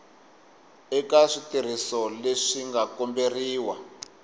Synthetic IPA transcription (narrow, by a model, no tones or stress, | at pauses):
ɛkaʂitiɾ̤isɔleʂiŋɡakɔmberiːwa